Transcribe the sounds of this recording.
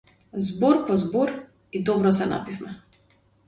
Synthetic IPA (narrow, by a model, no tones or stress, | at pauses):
zbɔɾpɔzbɔɾ | id̪ɔbɾɔsɛna̰pifmɛ